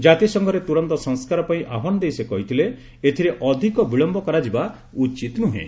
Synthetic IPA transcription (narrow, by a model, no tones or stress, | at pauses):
d͡ʒat̪isɔŋɡʱɔɾet̪uɾɔnt̪ɔsɔŋskaɾɔpaĩʔaɦɔnɔd̪ejsekɔɦit̪ʰile | et̪ʰiɾeʔɔd̪ʱikɔbiɭɔmbɔkaɾad͡ʒiba | ut͡ʃit̪nuɦḛ̃